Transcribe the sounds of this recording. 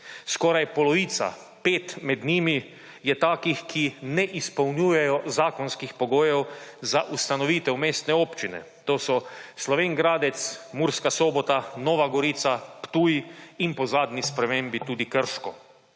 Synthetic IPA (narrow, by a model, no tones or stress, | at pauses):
skɔːɾajpɔlɔʋiːt̪sa̰ | peːt̪mɛd̪niːmi | jɛt̪aːkixkʰinɛʔispɐwnuːjɛjɔzaːkɔnskixpɔɡoːjɛwzaʔust̪anɔʋiːt̪ɛwmeːst̪nɛoːpt͡ʃinɛ̰ | t̪oːsɔslɔʋeːŋɡɾaːd̪ɛt̪smuɾskasoːbɔt̪anɔːʋaɡɔɾiːt̪sapt̪uːjiimpɔzaːd̪nʲispɾɛmeːmbit̪uːd̪ikəɾʃkɔ